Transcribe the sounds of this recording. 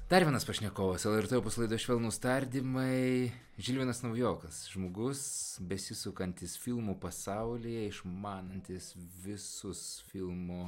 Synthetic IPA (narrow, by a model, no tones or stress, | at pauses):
d̪ɐɾʲʋʲiɛnɐspɐʃʲnʲɛkoːʋɐsɛlˠɛɾt̪eoːpʊslˠɐɪd̪oːʃʲʋʲɛlˠnuːst̪ɐɾʲd̪ʲimɐɪ | ʒʲilʲʋʲɪːnɐsnɐʊjoːkɐsʒmoːɡʊsbʲɛsʲɪsʊkɐnʲt̪ʲɪsfʲilˠmuːpɐsɐʊlʲijɛɪʃmɑːnɐnʲt̪ʲɪsʋʲɪsʊsfʲiɪlˠmoː